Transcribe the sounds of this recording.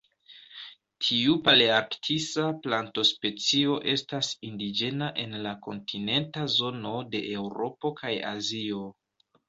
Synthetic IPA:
tʰiupaliaɾktʰisaplanto̞spe̞t͡sio̞ʔe̞stasindid͡ʒe̞naʔe̞nlako̞̰ntʰine̞ntazo̞no̞de̞ʔewɾo̞po̞kaja̰zio̞

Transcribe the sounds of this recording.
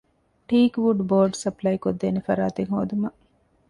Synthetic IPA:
ʈiːkʋuɖboːɾɖsɐplɐjkod̪ːeːnefɐɾaːt̪eŋɦoːd̪umɐ

